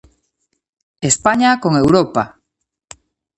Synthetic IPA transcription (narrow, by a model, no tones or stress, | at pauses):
espaɲakoŋewɾopa